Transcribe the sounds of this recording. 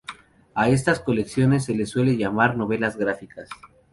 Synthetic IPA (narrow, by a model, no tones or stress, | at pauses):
ae̞s̬t̪asko̞leksjo̞ne̞s̬ːe̞le̞sːwe̞le̞ʝamaɾno̞βe̞lazɣɡɾafikas